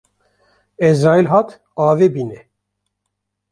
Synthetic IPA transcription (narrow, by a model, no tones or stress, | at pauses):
ɛzɑːilɦɑt̪ʰ | ɑːvebinɛ